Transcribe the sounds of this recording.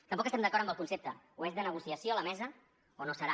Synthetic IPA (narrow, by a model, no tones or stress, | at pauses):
t̪əmpɔkəst̪ɛmd̪əkɔɾəmbəlˠkunsep̚t̪ə | oezðənəɣusiəsjoləmɛzə | onosəɾa